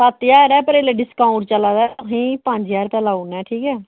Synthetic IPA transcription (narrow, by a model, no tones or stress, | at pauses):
sət̪jaːɾɛːpəɾeːleɖɪskãːʊɳʈt͡ʃəlaːd̪aːʊɦĩːpəɲd͡ʒjaːɾpɛːlaːunɛːʈʰiːkɛː